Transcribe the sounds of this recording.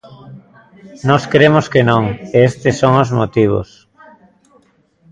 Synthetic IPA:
nɔskɾemoskenõŋeest̪esːoŋozmo̰t̪iβ̞o̰s

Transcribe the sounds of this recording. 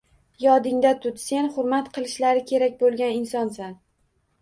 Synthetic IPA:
jɒd̪ɪŋd̪at̪ʰʊt̪se̞nχʊɾmat̪qʰɨlˠɪʃlaɾɪkʲʰe̞ɾakʲbolˠɡʲanɪnsɒnsan

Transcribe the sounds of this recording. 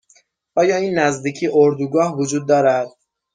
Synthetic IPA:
ʔɒːjɒːiːnːæzd̪iːcʰiːʔoɾd̪uɡɒːhvod͡ʒuːd̪̚ːɒːɾæd̪̥̚

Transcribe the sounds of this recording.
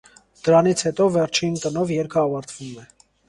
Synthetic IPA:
d̪̥əɾɑnit͡sʰhɛt̪ɔvɛɾt͡ʃʰint̪ənɔvjɛɾkʰəɑvɑɾt̪ʰv̥umɛ

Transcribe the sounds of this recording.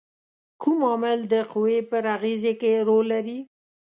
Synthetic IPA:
kumɑmɪld̪əqʊwepəɾaɣezekeɾolːaɾi

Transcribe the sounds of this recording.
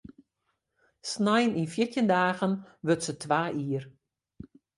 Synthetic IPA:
snajəninfjətjəndaːɣənʋøtsətʰʋaːʔiːər

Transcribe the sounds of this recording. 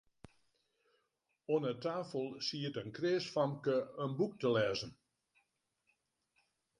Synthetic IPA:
onətaːfəlˠsiətənkreːsfɑmkəənbuk̚təlɛːzən

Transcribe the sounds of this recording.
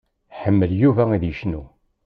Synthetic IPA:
ħəmːəljuvæiðjəʃnu

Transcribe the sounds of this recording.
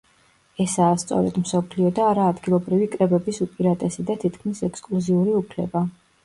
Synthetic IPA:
ɛsaːst̪sʼɔ̰ɾɛ̰d̪msɔpʰliɔd̪aːɾaːd̪ɡilˠɔbɾivikʼɾɛbɛbisupʼiɾat̪ʼɛsid̪at̪ʰit̪ʰkʰmisɛkskʼlˠuziuɾiupʰlɛba

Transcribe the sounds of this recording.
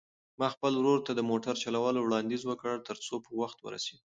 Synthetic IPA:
mɑxpəlwɾoɾt̪ad̪əmoʈaɾt͡ʃalawɑlowɽɑnd̪izwəkəɽt̪əɾt͡sopəwaxt̪wə̰ɾa̰sed̪

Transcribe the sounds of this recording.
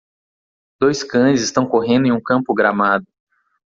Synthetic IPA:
d̪̥ojskɐ̃zɪst̪ɐ̃w̃koɦẽnd̪ʊẽũkɐ̃mpʊɡɾamad̪ʊ

